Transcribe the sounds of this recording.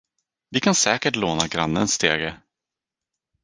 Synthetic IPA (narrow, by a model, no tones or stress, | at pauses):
vɪkʰansɛːkəʈloːnaɡɾanːənsːt̪ʰeːɡə